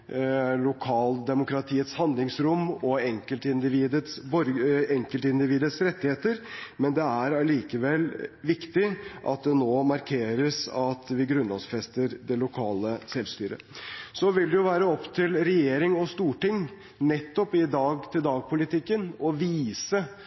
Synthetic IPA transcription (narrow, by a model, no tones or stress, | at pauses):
lʊkʰɑːld̪ɛmʊkɾɑt̪ʰiːət̪shɑnd̪lɪŋsɾʊmːɔɛŋkəlt̪ɪnd̪ɪʋiːd̪ət̪sbɔɾɛŋkəlt̪ɪnd̪ɪʋiːd̪ət̪sɾɛt̪ːɪheːt̪əɾmɛnd̪ɛæɾɑliːkəʋɛlːʋɪkt̪ɪʔɑ̰t̪̚d̪ɛnoːmɑɾkʰeːɾəsɑt̪ʋɪɡɾʉnlɑsfɛst̪əɾd̪ɛlʊkʰɑːləsɛlst̪yːɾə̰sɔʋɪld̪ɛjʊʋæːɾəɔpːt̪ʰɪlɾɛjeːɾɪŋɔst̪uːʈɪŋ | nɛt̪ːɔpɪd̪ɑːɡt̪ʰɪld̪ɑːɡ̚pʰʊlɪt̪ʰɪkːənɔʋiːsə